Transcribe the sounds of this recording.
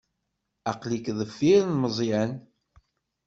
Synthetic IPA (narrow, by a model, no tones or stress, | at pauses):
ɑqlikðəfːiɾnməzˤjæn